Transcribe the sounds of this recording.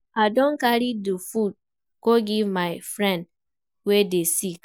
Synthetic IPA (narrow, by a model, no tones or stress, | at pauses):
adõnkaɾidofud̚ | koɡivmaɪfɾɛ̃nd | wedesik